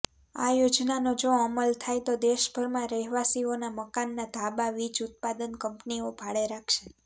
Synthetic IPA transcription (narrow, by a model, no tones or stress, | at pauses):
a̰jod͡ʒnanod͡ʒoəməlt̪ʰajt̪od̪eʃbʱəɾmãɾəɦiʋasionaməkanːad̪ʱabaʋit͡ʃut̪̚pad̪ənkəmpniobʱaɭeɾakʰʃe̥